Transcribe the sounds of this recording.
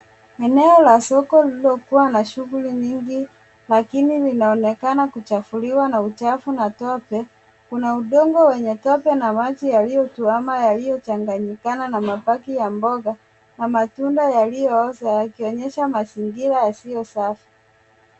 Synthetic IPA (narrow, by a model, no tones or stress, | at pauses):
ɛnɛɔlasɔkɔlilɔkuwanaʃuɣuliɲiŋɡi | lakinilinaɔnɛkanakut͡ʃafuliwanaut͡ʃafunatɔpɛ | kunauɗɔŋɡɔwɛɲɛtɔpɛnamat͡ʃijalijɔtuamajalijɔt͡ʃaŋɡaɲikananamapakijambɔɡa | namatundajalijɔɔsajakiɔɲɛʃamasiŋɡiɾajasiɔsafi̥